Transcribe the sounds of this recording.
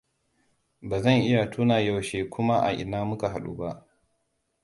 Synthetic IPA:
baː˨zɐ˦˨ŋʔɪ˦ja˨tuː˦naː˨ja˦˨wʃeː˨kʷʰʊ˦ma˦ʔa̰˨ʔɪ̰˨naː˦mʊ˦ka˨ɦa˨ɗṵː˦ba˦ʔ

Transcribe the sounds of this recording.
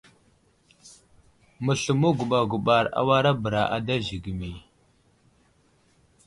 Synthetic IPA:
mə˨ɬu˨mu˦ɡu˨ɓa˨ɡu˨ɓa˨ɾa̰˦˨wa˦ɾa˦bə˨ɾa˨ʔa˨da˦ʒi˨ɡi˨mi˨

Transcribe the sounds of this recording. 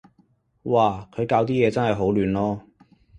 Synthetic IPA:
waː˧˩kʰɵ˨˧ɥkaː˧wt̪iː˥jɛː˨˧t͡sɐ˥nhɐ˨˩jɦo˨˥wlyː˨˧nlɔː˥

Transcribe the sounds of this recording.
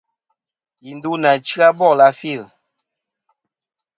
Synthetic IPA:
ji˨ndu˦na˨t͡ʃi˦a˦bɔ˦˨la˨˦fi˦˨l

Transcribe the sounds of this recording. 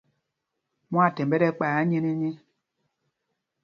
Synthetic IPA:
mũ˦a˦˨tɛ˨mbɛ˦ɾɛ˦k͡pa˨ja˦ɲe˦ni˦ɲi˦

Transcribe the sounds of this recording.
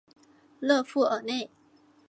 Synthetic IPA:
lɤ˥˧fu˥˩ʔə˧˩˦ne˥˩ɪ

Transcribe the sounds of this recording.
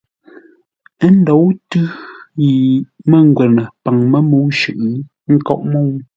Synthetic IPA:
n̩˦dɔ˨˦wtʉ˦ji˨mə˦ŋ˨ɡwɛ˨nə˨pa˨ŋmə˦mo˨˦ʃʉ˨ʔɯ˨˦ | ŋ̩˦kɔ̰˦˨ʔmo˦˨w

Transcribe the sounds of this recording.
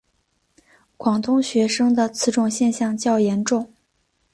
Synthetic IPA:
kwɑ˨˩ŋt̪ʊ˥ŋɕɥɛ˧˥ʂɤ˥ŋd̪ə˨t͡sʰɹ̩˥˧ʈ͡ʂʊ˥˧ŋɕjɛ˥˧nɕjɑ˥˧ŋt͡ɕjɑ˥˩ʊjɛ˧˥nʈ͡ʂʊ˥˩ŋ

